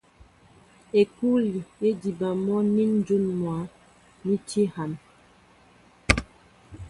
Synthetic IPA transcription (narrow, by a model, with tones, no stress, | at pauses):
e˨ku˦li˨je˦di˨ba˨mɔ˦ni˦n˦d͡ʒu˦nmwa˨˦ | ni˦te˦ha˨n